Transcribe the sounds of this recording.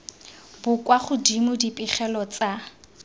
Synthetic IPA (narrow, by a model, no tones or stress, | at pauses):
bʊkwaχʊdimʊdipʼiχɛlɔt͡sa